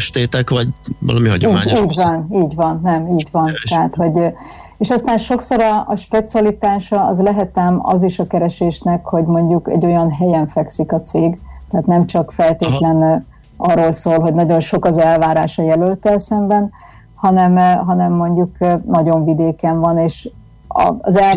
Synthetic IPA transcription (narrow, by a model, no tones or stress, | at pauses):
ʃt̪eːt̪ɛkvɒɟvɒ̰lɒmiɦɒ̰ɟomːmaːɲiːɟvɒniːɟvɒnːɛmiːɟvɒnt̪ɛɦaːt̪ho̞ɟ | eːʃɒst̪aːnʃo̞kso̞ɾɒɒʃpɛt̪siɒlit̪aːʃɒɒ̰zlɛɦɛt̪ɛmɒ̰ziʃɒkɛɾɛʃeːʃnɛkho̞ɟmo̞ɲɟukɛ̰ɟːo̞jɒnɦɛjɛɱfɛksikɒt̪seːɡt̪ɛaːt̪nɛmt͡ʃɒkfɛlt̪eːt̪lɛn | ɒrːoːlsoːlɦo̞ɟnɒɟo̞nʃo̞kɒzɛlvaːɾaːʃɒjɛlølt̪ɛlsɛmbɛn | hɒnɛmɦɒnɛmːo̞ɲɟuknɒɟo̞ɱvid̪eːkɛɱvɒneːʃ | ɒ̰ːzɛl